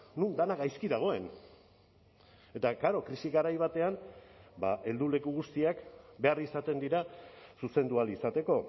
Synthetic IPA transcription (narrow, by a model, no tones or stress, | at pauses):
nund̪anaɣajskiðaɣ̞o̞e̞n | e̞t̪akaɾo̞kɾisiɣaɾajβ̞at̪e̞anbaʔe̞ld̪ule̞kuɣ̞ust̪iakbe̞arisat̪e̞nd̪iɾasuse̞nd̪ualisat̪e̞ko̞